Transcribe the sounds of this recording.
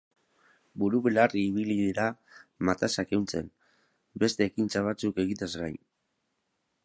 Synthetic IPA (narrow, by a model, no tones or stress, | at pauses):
buɾuβelariːβiliðiɾamat̪asake̞wnt͡se̞̰n | be̞st̪e̞ːkint͡saβ̞at͡suke̞ɣit̪azɣaj